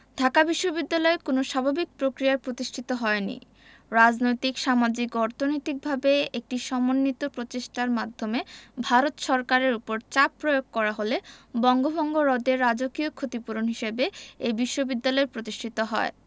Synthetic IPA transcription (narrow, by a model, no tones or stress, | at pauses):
d̪ʱakabiʃːobid̪ːalɔekonoʃabʱabik̚pɾokɾijaɾpɾot̪iʃʈʰit̪oɦɔenḭ | ɾad͡ʑnojt̪ikʃamad͡ʑikɔɾt̪ʰonojt̪ik̚bʱabeek̚ʈiʃɔmonːit̪opɾot͡ɕeʃʈaɾmad̪ʱːomebʱaɾot̪ʃɔɾkaɾeɾupoɾt͡ɕapːɾojoɡ̚kɔɾaɦolebɔŋɡobʱɔŋɡoɾɔd̪eɾːad͡ʑokiokʰːot̪ipuɾonɦiʃebeebiʃːobid̪ːalɔeɾpɾot̪iʃʈʰit̪oɦɔ̰e